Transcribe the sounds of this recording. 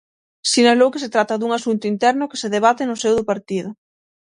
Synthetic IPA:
sinalowkɪset̪ɾat̪ɐðuŋasunt̪ʊint̪ɛɾnʊke̥seðeβ̞at̪ɪnʊsewðʊpaɾt̪iðʊ

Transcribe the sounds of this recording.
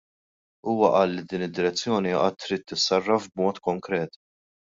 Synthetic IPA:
uːwɐʔɐlːid̪iːnɪd̪ːɪɾɛt͡sːjɔːniɐʔɐt̪ːɾiːt̪ːɪsːɐrːɐfbmɔːt̪kɔŋkɾɛːt̪

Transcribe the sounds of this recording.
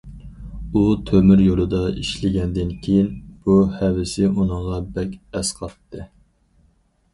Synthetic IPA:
ut̪ʰømyɾjolˠɨd̪ɑiʃlɪɡʲɛnd̪ɪnkʲʰejinb̥uhɛvɪsɪʔunɨŋʁɑbɛkʲɛsqʰɑt̪ːɨ

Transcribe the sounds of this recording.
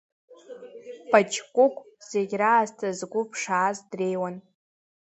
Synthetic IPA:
pʰʼat͡ʃkʷʼʊkʷʰʼ | z̥eɡʲraːztʰazɡʷʊpʰʂaːzdre̞jwan

